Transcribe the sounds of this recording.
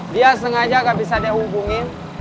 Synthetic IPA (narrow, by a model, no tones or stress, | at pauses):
dias̬əŋad͡ʒakabisadehubuŋin